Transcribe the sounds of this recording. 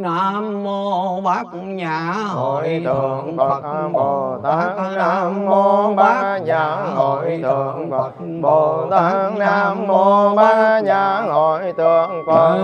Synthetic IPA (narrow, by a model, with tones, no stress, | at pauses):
na˧mːo˧ɓa˦˥k̚ | ɲaː˨˩ho˨˩˨jt̪ʰɨ˨˩əŋka˨˩ɓo˨˩t̪a˨˦˥na˧˥mːo˧ɓaː˦˥ɲaː˨˩ | ɦo˧˨˩jt̪ɨ˨əŋka˨˩ | ɓo˨˩t̪a˨˧˦ŋnaː˧mːo˧ɓaː˦˥ɲaː˨˩ho˧˩jt̪ɨ˨˩əŋkə˧˩